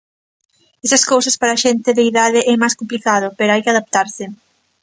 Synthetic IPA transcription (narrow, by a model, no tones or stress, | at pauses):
ɛsɐskowsɐspaɾɐaʃent̪ɪðeiðaðɪʔɛmajskomplikaðʊpeɾoajkɪaðap̚t̪aɾsɪ